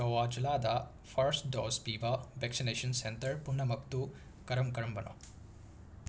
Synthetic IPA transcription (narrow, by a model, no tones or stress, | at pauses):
ɐwaːd͡ʒulaːd̪ɐ | fʰɐɾsɖoːspiːʋɐʋeksineːʃɐnsent̪ɐɾpunːɐmɐkt̪u | kɐɾɐmkɐɾɐmbɐno̰